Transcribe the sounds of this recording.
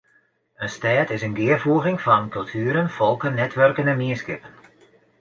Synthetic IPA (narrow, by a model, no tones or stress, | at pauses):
ənstɛːtɪsənɡɪərfuəɣɪŋfɔnkɵlˠtʰyːəɾənfɔlˠkənːɛtʰʋørkənənmiəskɪpən